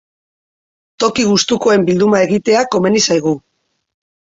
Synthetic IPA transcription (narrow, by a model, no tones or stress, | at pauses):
t̪o̞kiɣ̞ust̪uko̞e̞mbild̪umae̞ɣit̪e̞ako̞me̞nisajɣ̞u